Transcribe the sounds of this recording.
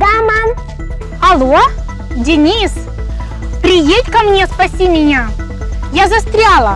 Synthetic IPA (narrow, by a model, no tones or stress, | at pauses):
ɡama | ɐlˠo | dʲɪnʲis | pɾʲɪjetʲkɐmnʲe̞spɐsʲimʲɪnʲa | jazɐst̪ɾʲalˠə